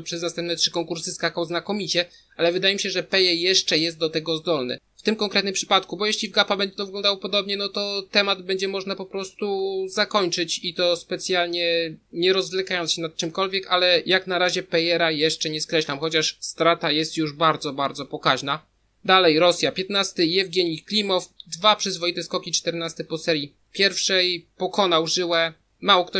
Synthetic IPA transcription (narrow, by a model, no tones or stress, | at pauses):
pʂɛznast̪ɛmp̚nɛtʂɘkɔŋkuɾsɘskakawznakɔmʲit͡ɕɛ | ʔalɛvɘd̪ajɛmʲiɕɛʐɛpɛjɛjɛʂt͡ʂɛjɛst̪̚d̪ɔt̪ɛɡɔzd̪ɔlnɘ̰ | ft̪ɘmkɔŋkɾɛt̪nɘmpʂɘ̥pat̪kubɔjɛɕlʲivɡapabɛɲd͡ʑɛt̪ɔvɘɡlɔnd̪awɔpɔd̪ɔbɲɛnɔt̪ɔt̪ɛmad̪bɛɲd͡ʑɛmɔʐnapɔpɾɔst̪uzakɔɲt͡ʂɘt͡ɕit̪ɔspɛt̪sʲjalɲɛɲɛɾɔzvlɛkajɔnsɕɛnat̪̚t͡ʂɘmkɔlvʲjɛkalɛjaknaɾaʑɛpɛjɛɾajɛʂt͡ʂɛɲɛskɾɛɕlamxɔt͡ɕaʂst̪ɾat̪ajɛst̪juʐbaɾd̪zɔbaɾd̪zɔpɔkaʑna | d̪alɛjɾɔsʲjapʲjɛt̪nast̪ɘɛvɡʲɛɲiklʲimɔfd̪vapʂɘzvɔjit̪ɛskɔkʲit͡ʂt̪ɛɾnast̪ɘpɔsɛɾji | pʲjɛɾfʂɛjpɔkɔn̪awʐɘwɛ | mawɔkt̪ɔ